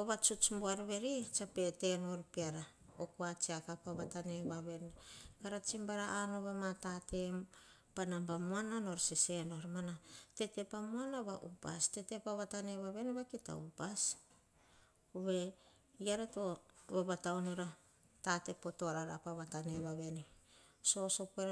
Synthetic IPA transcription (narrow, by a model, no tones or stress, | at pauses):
oβat͡ʃut͡ʃmbuaɾβe̞ɾit͡ʃape̞te̞noɾpeɾa | okuat͡ʃiakapaβataneβaβe̞nekaɾat͡ʃimbaɾaʔanoβamatate̞m | panambamuanano̞ɾsese̞no̞ɾmanate̞te̞pamuanaβaʔupa̰ste̞te̞paβatane̞βaβe̞neβakita̰upas | uβe̞ | iaɾeto̞βeβatawnoɾa | tate̞po̞toɾaɾapaβataneβaβe̞ni | so̞so̞peɾ